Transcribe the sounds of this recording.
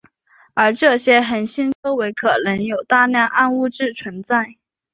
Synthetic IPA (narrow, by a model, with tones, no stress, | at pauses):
ə˞˧˥ʈ͡ʂɤ˥˩ɕjɛ˥xə˨˩nɕi˥nt͡so˥ʊwe˧˥ɪkʰɤ˨˩nɤ˧˥ŋjo˨˩ʊt̪a˥˧ljɑ˥˧ŋʔa˥˧nu˥˧ʈ͡ʂɻ̩˥˩t͡sʰwə˧˥nt͡sa˥˩ɪ